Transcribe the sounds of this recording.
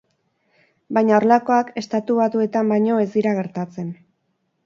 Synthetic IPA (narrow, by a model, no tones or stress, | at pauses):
bajɲaoɾlako̞ake̞st̪at̪uβat̪ue̞t̪ambajɲo̞e̞zd̪iɾaɣ̞e̞ɾt̪at͡se̞n